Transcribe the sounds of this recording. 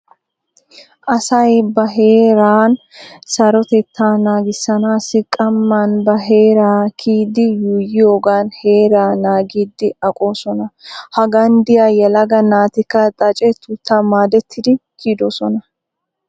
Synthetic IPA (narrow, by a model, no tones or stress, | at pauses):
ʔɐsɐjbɐɦe̞ːɾaːn | sɐɾɔt̪ɛt̪ʰːaːnaːɡɪsːɐnaːsːɪkʼɐmːanbɐɦe̞ːɾaːkʰiːd̪ːɪjuːjɪjoːɡaːnhe̞ːɾaːnaːɡiːd̪ːɪɐkʼo̞ːsɔnɐhɐɡɐnd̪ɪjaːjɛlɐɡɐnaːt̪ɪkːɐt̪ʼɐt͡ʃʼɛt̪ʊt̪ːaːmaːd̪ɛt̪ʰːɪd̪ɪkiːd̪oːsɔnɐ